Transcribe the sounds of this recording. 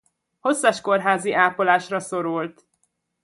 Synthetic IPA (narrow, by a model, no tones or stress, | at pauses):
ho̞sːɒʃko̞rɦaːziʔaːpolaːʃrɒso̞ɾult̪